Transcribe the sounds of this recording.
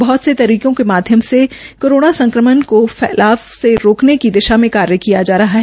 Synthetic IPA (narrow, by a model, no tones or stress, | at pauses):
bɐɦʊt̪set̪ɐɾiːkõkemaːd̪ʱjəmse | koːɾoːnasɐ̃ŋkɾəmənkofɛ̰ːlaːfseɾoːknekid̪ɪʃamẽkaːɾjəkijad͡ʒaːɾɐɦaɦɛː